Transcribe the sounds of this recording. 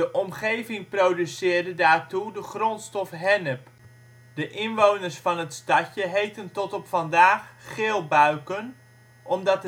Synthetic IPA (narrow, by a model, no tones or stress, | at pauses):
əʔɔmχejvɪŋprowdysɪːɹdədaːɹtudəχrɔntstɔfɦɛnəp | dəʔɪnʋownərsfɑnətstɑcəɦejtəntɔtɔpfɑndaːχːɪlˠbœɥkən | ʔɔmdɑt